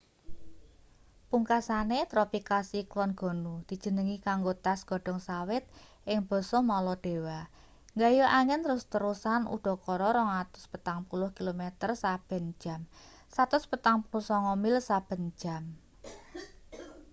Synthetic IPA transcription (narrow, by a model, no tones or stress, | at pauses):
puŋkasanet̪ɾopikasiklɔnɡ̥ɔ̤nud̪̥i̤̥d͡ʒ̥ə̤nəŋikaŋɡot̪asɡ̥ɔ̤ɖ̥ɔ̤ŋsawɪt̪̚ʔɪŋb̥ɔ̤sɔhmɔlɔɖ̥e̤wa | ŋɡajɔʔaŋɛnɾʊst̪əɾusanṵɖ̪̥ɔ̤kɔɾɔɾɔŋat̪ʊ̥spət̪aŋpulʊhkilomet̪ərsab̥ə̤n̥d͡ʒ̥a̤m | sat̪ʊspət̪aŋpulʊhsɔŋɔmɪlsab̥ə̤n̥d͡ʒ̥a̤m